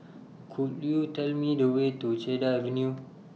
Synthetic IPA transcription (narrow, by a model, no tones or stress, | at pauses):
kʰuɗijutɐlmidowet̪ot͡ʃeːdaviniu